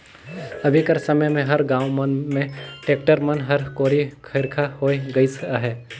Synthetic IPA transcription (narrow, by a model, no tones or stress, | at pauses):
ɐbʱikɐɾsɐməjmẽɦɐɾɡãːʊmənmẽʈeːk̚ʈəɾmɐnɦɐɾkoːɾikʰɪɾkʰahoːeɡɐisaɦɛː